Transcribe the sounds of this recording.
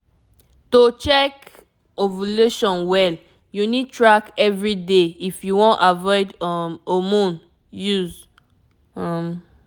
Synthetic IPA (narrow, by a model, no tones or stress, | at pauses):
tot͡ʃɛk | ovoluʃɔ̃nwɛl | junid̚tɹakɛvɹideifjuwɔ̃ntavɔɪdɔmomũn | juz | am